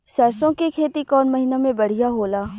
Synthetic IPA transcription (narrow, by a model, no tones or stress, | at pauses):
sɛːsõkikʰeːt̪ikɔːnmɐɦinamẽbɐɽ̤ijaɦoːlaː